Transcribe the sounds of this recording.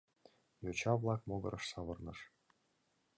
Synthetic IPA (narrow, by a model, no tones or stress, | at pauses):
jot͡ɕɑvlˠɑk̚moɡɤ̰̆ɾʔɤ̆ʃsɑβɤrnɤʃ